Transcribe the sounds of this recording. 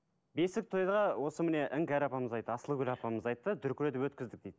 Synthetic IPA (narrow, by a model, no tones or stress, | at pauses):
be̞sɪk̚t̪ʰoj̪ʁɑwʔo̞səmɪne̞ʔɪŋkʲæɾɑpɑməzɑjt̪ːəɑsəlˠəkʲʏlʲɑpɑməzɑjt̪ːəd̪ʏɾkʲɾed̪ɪwɵt̪kʲɪzd̪ɪk̚d̪ejd̪̥ɪ